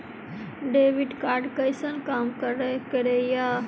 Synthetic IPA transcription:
ɖeʋiɖkaɾɖkəjsənkamkəɾekəɾeja

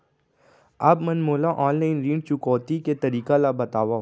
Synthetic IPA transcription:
ɐbmɐnmoːlaʔaːnlaːɪnɾĩːɳɖ̚t͡ʃʊkɔːt̪iket̪ɐɾiːkalabɐt̪aːʋaɦ

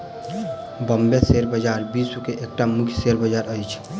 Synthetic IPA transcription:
bəmbeseɾbəd͡ʒaɾbisukeʔek̚ʈamʊkʰjseɾbəd͡ʒaɾəjt͡ʃʰ

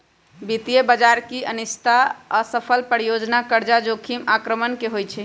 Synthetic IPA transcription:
bit̪ijebəd͡ʒaɾkiənist̪ʰasəpʰəlpəɾijod͡ʒnakəɾd͡ʒad͡ʒokʰimakɾəmənkeɦojt͡ʃʰɛ

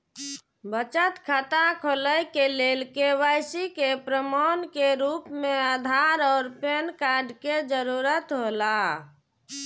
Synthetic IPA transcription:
bət͡ʃət̪kʰat̪akʰoləjkelelkeʋajsikepɾəmɔnkeɾupmead̪ʱaɾɔːɾpenkaɾɖked͡ʒəɾuɾət̪ɦola

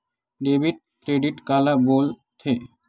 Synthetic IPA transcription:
ɖebʱiʈ̚kɾeɖiʈkalabol | t̪ʰe

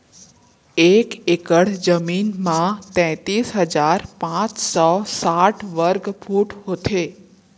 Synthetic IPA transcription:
ekekəɽ̤d͡ʒəmiːnmãt̪ɛ̃ːt̪iːsɦəd͡ʒaːɾpãt͡ʃsɔsaʈʰʋəɾɡfʰuʈɦot̪ʰe

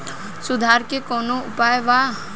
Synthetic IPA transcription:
sʊd̪ʱaːɾkekɔːnoʊpaːjʋa

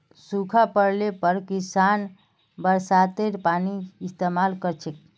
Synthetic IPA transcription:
sukʰapəɾlepəɾkisan | bəɾsat̪eɾpaniːst̪emalkəɾt͡ʃʰek̚

